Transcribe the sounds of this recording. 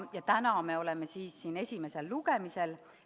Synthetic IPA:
jɑt̪ænɑme̞o̞le̞me̞siːsːiːne̞sʲime̞se̞lːuɡe̞mise̞l

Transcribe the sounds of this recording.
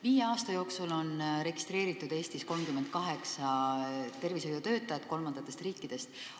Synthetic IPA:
viːjeɑːst̪ɑjo̞ːksulo̞nre̞ɡ̥i̥st̪ɾe̞ːɾit̪ːˑud̪e̞ːst̪isko̞lmkymːed̪̥̚kɑɦe̞ksɑt̪e̞rvisojot̪ø̞ːt̪ːˑɑjɑt̪ːˑko̞lmɑn̥ɑt̪ːˑe̞st̪riːkˑːid̪̥e̞st̪

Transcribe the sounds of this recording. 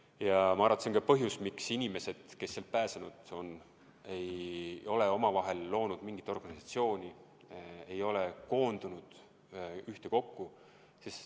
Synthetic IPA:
jɑmɑɑrɑt̪ːseŋkɑpɤɦjusmiksinʲime̞se̞d̪̥ke̞sːelt̪̚pæːsenud̪̥o̞n | e̞jo̞le̞o̞mɑvɑɦe̞lːo̞ːnud̪̥miŋɡit̪ːˑo̞rɡ̥ɑnisɑt̪sio̞ːnʲi | e̞jo̞leko̞ːnd̪unud̪̥ | yht̪e̞ko̞kːu | sis

